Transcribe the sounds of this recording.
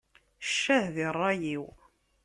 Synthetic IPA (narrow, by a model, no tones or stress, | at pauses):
ʃːæhðirˤːɑjiw